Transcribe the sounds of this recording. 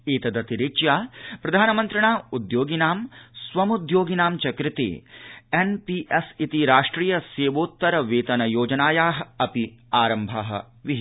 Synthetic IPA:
eːt̪ɐd̪ɐt̪iɾit͡ʃjaːpɾɐd̪ʱaːnɐmɐnt̪ɾɐɳaːud̪joːɡinaːmsʋɐmud̪joːɡinaːmt͡ʃɐkɾɪt̪ḛːenpiʔesit̪iɾaːʂʈɾiːjɐseːʋoːt̪ːɐɾɐʋeːt̪ɐnɐjoːd͡ʒɐnaːjaːɦɐɐpiaːɾɐmbʱɐɦɐ̰ | ʋiɦ

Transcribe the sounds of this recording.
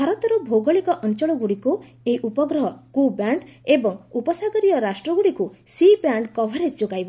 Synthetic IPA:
bʱaɾɔt̪ɔɾɔbʱowɡɔɭikɔʔɔnt͡ʃɔɭɔɡuɽiku | eiʔupɔɡɾɔɦɔkubaɳɖebɔŋupɔsaɡɔɾijɔɾasʈɾɔɡuɽikusibaɳɖkɔbʱaɾed͡ʒd͡ʒoɡajbɔ

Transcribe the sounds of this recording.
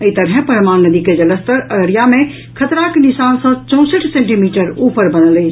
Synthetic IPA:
əit̪əɽɦɛ̃pəɾəmaːnnəd̪iked͡ʒələst̪əɾəəɾijamẽ | kʰət̪ɾakenisaːnsə̃t͡ʃɔ̃ʊ̃səʈʰsẽɳʈimiːʈəɾuːpəɾbənələt͡ʃʰ

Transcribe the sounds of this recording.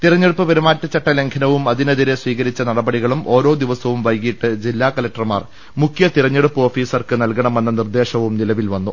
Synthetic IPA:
t̪irɐɲːeɽupːɨpɐɾumaːtːɐt͡ɕɐʈːɐle̞ŋkʰɐnɐʋumɐðinɐðiɾesʋiːɣɐɾit͡ɕːɐnɐɽɐbɐɽiɣɐɭumo̞ːɾo̞ːd̪iʋɐsɐʋumʋɐjkiʈːɨd͡ʑilːaːkɐlɐk̚ʈɐrmaːr | mukʰjɐt̪iɾɐɲːeɽupːɨo̞ːfiːsɐrkɨnɐlkɐɳɐme̞nːɐnird̪e̞ːʂɐʋumnilɐʋilʋɐnːu

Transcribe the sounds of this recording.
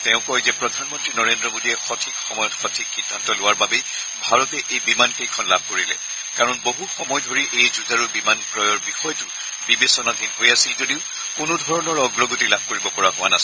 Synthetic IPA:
tɛ̃ʊ̃kɔjzɛpɹɔdʱanmɔntɹinɔɹendɹɔmodiɛxɔtʰikxɔmɔjɔtxɔtʰikxidʱːantɔlʊwaɹbabe | bʱaɹɔtɛʔejbimankejkʰɔnlab̚ʱkoɹilɛ̰ | kaɹɔnboɦuxɔmɔjdʱoɹiʔejzuzʱaɹubimankɹɔjɔɹbixɔjtʊ | bibesɔnadʱinɦojasilzodiʊ | kʊnʊdʱɔɹɔnɔɹɔɡɹɔɡotilab̚ʱkoɹibɔpɔɹaɦʊwanas

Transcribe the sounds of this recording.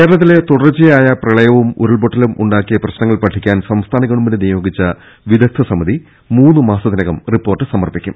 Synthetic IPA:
kkeːɾɐɭɐt̪ːile̞t̪uɽɐrt͡ɕːijaːjɐprɐɭɐjɐʋumṵɾɐɭboʈːɐlumʔṵɳɖaːkːijɐprɐɕnɐŋːɐɭpɐʈʰːikʲːaːnsɐmst̪ʰaːnɐɣɐɳuminenijo̞ːɡit͡ɕːɐ | ʋid̪ɐk̚t̪ʰːɐsɐmɐði | muːnːɨmaːsɐðinɐɣɐmripːo̞ːrʈːɨsɐmɐrpikʲːum

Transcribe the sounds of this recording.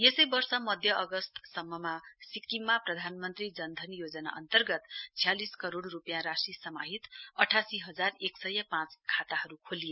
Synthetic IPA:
jesʌjbʌrsʌmʌd̪ʱjʌʔːɡʌst̪sʌmːʌmasikːimːaprʌd̪ʱanmʌnt̪rid͡zʌnd̪ʱʌnjod͡zʌna̰ʔʌ̰nt̪ʌrɡʌt̪t͡sʰijaliskʌɾoɽrupjãɾasisʌmaɦit̪ʌʈʰasiɦʌd͡zareksʌjʌpãt͡skʰat̪aɦʌɾukʰolije

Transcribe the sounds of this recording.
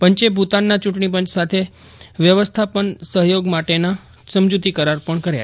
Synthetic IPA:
pəɲt͡ʃebʱut̪anːat͡ʃũʈɳip̬əɲt͡ʃsat̪ʰe | ʋjəʋəst̪ʰapəɳsəɦjoɡmaʈena | səmd͡ʒut̪ikəɾaɾpəɳkəɾja̰

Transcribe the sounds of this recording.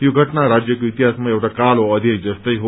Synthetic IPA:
joɡʱətnaɾad͡ʒjəkoit̪iɦasmaeʋʈakaloəd̪ʱjed͡ʒəst̪əjɦo

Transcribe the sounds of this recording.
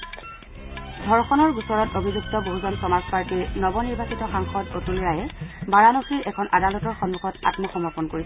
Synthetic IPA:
dʱɔɹxɔnɔɹɡusɔɹɔtobʱizuktɔboɦuzɔnpɹɔmaspaɹtiɹnɔbɔniɹbasitɔxaŋxɔdotulɹajɛbaɹanoxiɹʔɛkʰɔnadalɔtɔɹxɔnːuxʰɔta̰tmɔxɔmɔpɔnkoɹis

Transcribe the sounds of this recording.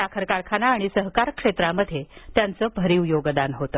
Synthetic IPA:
akʰəɾkaɾkʰanaːɽ̃isəɦkaɾkʂet̪ɾaməd̪ʱjet̪jant͡səːbʱəɾiwjoɡd̪anɦot̪ə

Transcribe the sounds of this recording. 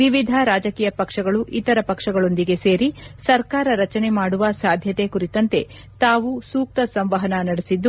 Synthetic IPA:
ʋiʋid̪ʱɐɾaːd͡ʒɐkiːjɐpɐkʂɐɡɐɭuʔit̪ɐɾɐpɐkʂɐɡɐɭo̞nd̪iɡe̞se̞ːɾisɐɾkaːɾɐɾɐt͡ʃɐne̞maːɽuʋɐsaːd̪ʱjɐt̪e̞kuɾit̪ɐnt̪e̞ | t̪aːʋusuːk̚t̪ɐsɐmʋɐɦɐnɐnɐɽesid̪ːu

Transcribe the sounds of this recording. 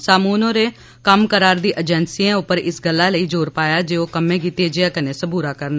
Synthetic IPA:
saːmuːnõːɾeː | kəmkəɾaːɾd̪iːʔəd͡ʒɛnsiːẽːʊpəɾɪsɡəlːaːləiːd͡ʒoːɾpaːjaːd͡ʒeːoːkəmẽːk̬iːt̪eːd͡ʒeãːkənẽːsəbuːɾaːkəɾna

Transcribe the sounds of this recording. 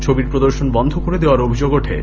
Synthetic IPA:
t͡ɕʰobiɾpɾod̪oɾʃonbɔnd̪ʱokoɾed̪eoaɾobʱid͡ʑoɡoʈʰḛ

